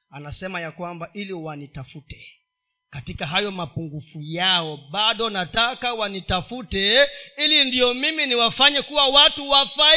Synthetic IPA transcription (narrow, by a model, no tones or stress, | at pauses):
anasɛmajakwambaʔiliwanitafutɛ | katikaɦajɔmapuŋɡufujaɔɓaɗɔnatakawanitafutɛilindiɔmiminiwafaɲɛkuwawatuwafa